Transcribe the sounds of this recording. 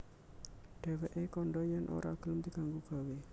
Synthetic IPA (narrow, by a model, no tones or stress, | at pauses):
ɖ̥e̤wɛʔekɔɳɖɔjanʔo̰ɾa̰ɡ̥ə̤lmd̪i̤kaŋɡuɡ̥a̤we